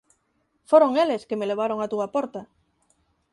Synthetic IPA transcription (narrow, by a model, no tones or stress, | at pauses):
foɾoŋeleskemeleβ̞aɾoŋat̪uapoɾt̪a